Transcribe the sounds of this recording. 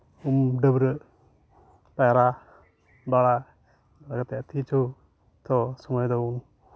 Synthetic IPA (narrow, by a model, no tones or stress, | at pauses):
umɖəbɾəʔ | pajaɾa | baɽa | laɡat̪ɛʔt̪ʰit͡ʃɔ | t̪ɔsɔmɔjd̪ɔum